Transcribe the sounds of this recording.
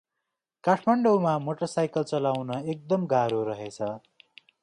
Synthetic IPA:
kaʈʰmʌɳɖomamoʈʌrsajkʌlt͡sʌlawnʌek̚d̪ʌmɡaɾoɾʌɦet͡sʰʌ

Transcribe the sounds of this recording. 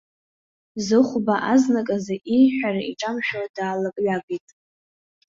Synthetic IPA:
zɨχʷbaʔaznakʼazaʔijħʷᶣaraiʈ͡ʂʼamʃᶣodaːlakʼɥaɡʷitʼ

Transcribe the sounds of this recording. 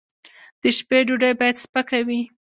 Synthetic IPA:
d̪̥əʃpeɖuɖəjbɑjad̪spəkawi

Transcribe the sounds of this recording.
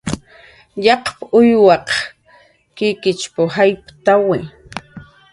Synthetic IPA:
ʎɑqpʊjwɑq | kɪkɪt͡ʃpʊhajpt̪awɪ

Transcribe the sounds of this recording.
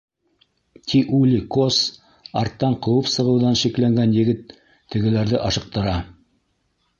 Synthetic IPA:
t̪ʲʰiʔulʲikos | ɑɾt̪ːɑɴqɤ̆wɤpsɤ̆ʁɤ̆wðɑnʃiklæŋɡænjɘ̆ɡɘt̪ʰː | ɘ̆ɡɘ̆læɾðɘʔɑʃɤ̆q̚t̪ɤ̆ɾɑ

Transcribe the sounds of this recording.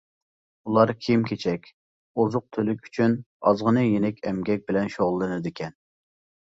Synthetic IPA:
ulˠɑɾkʲʰimkʲʰet͡ʃʰɛkʲ | ozʊq̚t̪ʰølykʲy̥t͡ʃʰyn | ɑzʁənɨjenɛkʲʰɛmɡʲɛk̚ʲbɪlɛnʃoʁlˠːɨnɨd̪ɪkʲʰɛn

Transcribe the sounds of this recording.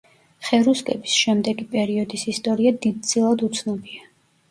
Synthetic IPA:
χɛɾuskʼɛbisʃɛmd̪ɛɡipʼɛɾiɔd̪isist̪ʼɔɾiad̪id̪̚d̪z̥ilˠad̪ut̪sʰnɔbia

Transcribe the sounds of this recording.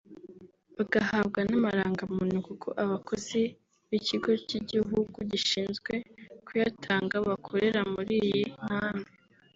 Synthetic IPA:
βaɡahaβɡanamaɾaːŋɡamunukukʰo̰ʔaβakʰo̞z̥i | βiciɡo̞ciɟiɦuɡuɟiʃiːnzɡwe̞kʰujatʰaːŋɡaβakʰoɾe̞ɾamuɾijiŋ̥haːnde

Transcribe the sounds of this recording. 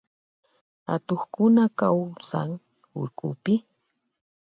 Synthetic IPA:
ha̰t̪oχkʊnakawsa̰ŋ | ʊ̰ɾkʊpɪ

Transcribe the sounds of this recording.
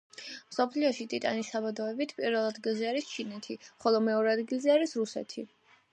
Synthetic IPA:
msɔpʰliɔʃit̪ʼit̪ʼa̰nisabad̪ɔɛbit̪ʰpʼiɾvɛlˠad̪ɡilˠzɛaɾist͡ʃʰinɛt̪ʰiχɔlˠɔmɛɔɾɛad̪ɡilˠzɛaɾisɾusɛ̰t̪ʰḭ

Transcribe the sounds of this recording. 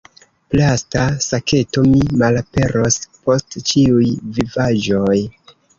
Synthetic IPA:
plastasakʰe̞to̞mimalape̞ɾʔo̞spo̞stt͡ʃiujvivaʒo̞j

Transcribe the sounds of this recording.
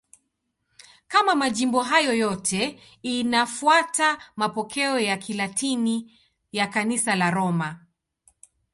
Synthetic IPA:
kamamaʄimbɔɦajɔjɔtʰɛ | inafuatamapɔkʰɛɔjakʰilatʰini | jakanisalaɾɔma

